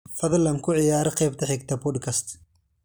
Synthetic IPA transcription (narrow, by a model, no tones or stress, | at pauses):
fɐðlɐmkʰʊʕɪjaːɾɐqɛjbt̪ʰɐħɛɡt̪ʰɐpɔd̪kʰɐst̪